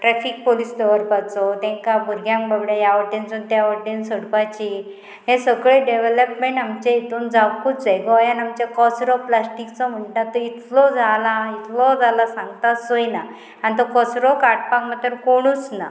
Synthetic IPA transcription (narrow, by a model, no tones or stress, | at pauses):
ʈɾɛfik̚polisd̪ɔʋəɾpat͡sɔt̪ɛ̃ŋkabʱuɾɡʱjãŋkbʱəbɽajaəensunt̪jaəʈʈensəɽpat͡ɕi | ɦẽsəɡɭeɖeʋeləpmẽɳʈamt͡ɕeit̪uːnd͡zaput͡sʋejɡɔjanamt͡ɕakɔsɾɔplasʈikt͡sɔm̤əɳʈat̪ːɔit̪ʰlɔd͡zʱalait̪ʰlɔd͡zʱalasãŋɡt̪asojna | anit̪̬ɔkɔsɾɔkaʈ̚pakmat̪əɾkoɽ̃ut͡sna̰